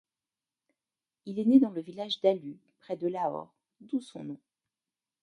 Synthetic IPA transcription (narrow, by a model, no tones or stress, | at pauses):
ilɛned̪ɑ̃ləvilaʒd̪aly | pχɛd̪əlaɔ̰ʁ | d̪usɔ̰̃nɔ̃